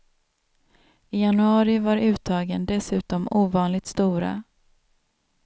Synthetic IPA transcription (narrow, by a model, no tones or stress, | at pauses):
ɪjanɵɑːɾɪvaɾʉ̟ːt̪ʰɑːɡənd̪ɛsʉ̟ːt̪ɔmuːvɑːnlɪɡ̚t̪st̪uːɾa̰